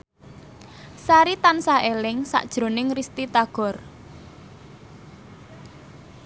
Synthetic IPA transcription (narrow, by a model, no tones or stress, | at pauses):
saɾit̪ansaʔelɪŋsa̰ʔd̥ʒ̥ɾo̤nɪŋrist̪it̪aɡ̥ɔ̤r